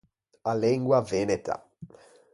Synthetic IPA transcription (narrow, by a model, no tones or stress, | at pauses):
aleŋɡwavenet̪ʰa̰